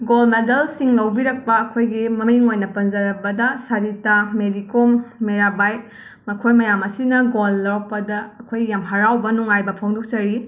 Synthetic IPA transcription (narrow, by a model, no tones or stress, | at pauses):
ɡolmedɐlsiŋlɐwbiɾɐk̚pɐːkʰojɡimɐmiŋojnɐpɐnzɐɾɐbɐdɐsaɾitameɾikomːeɾabaj | mɐkʰojmɐjamɐsinɐɡolːawpɐdɐɐkʰojːamɦɐɾawbɐnuŋajbɐpʰoŋdok̚t͡ʃɐɾi